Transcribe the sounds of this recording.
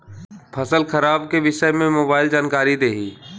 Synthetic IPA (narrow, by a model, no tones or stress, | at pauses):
pʰəsəlxʰəɾaːbkeʋɪʃəmẽmoːbaːɪld͡ʒaːnkaːɾid̪eːɦiː